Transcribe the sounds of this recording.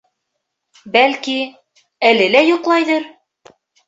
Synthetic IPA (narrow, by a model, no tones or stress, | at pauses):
bælki | ælɘlæjuqlˠɑjðɤɾ